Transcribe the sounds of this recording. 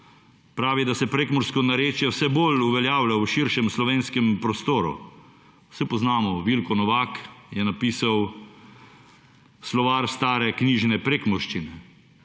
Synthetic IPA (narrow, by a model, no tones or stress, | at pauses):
pɾaːʋid̪asɛpɾeːkmɔɾskɔnaɾeːt͡ʃjɛwsɛboluʋɛljaːwlawʃiɾʃɛmslɔʋeːnskɛmpɾɔst̪oːɾṵ | sɛpɔznaːmɔʋilkɔnɔʋaːkjɛnapiːsaw | slɔʋaːɾst̪aːɾɛkniːʒnɛpɾeːkmɔɾʃt͡ʃinɛ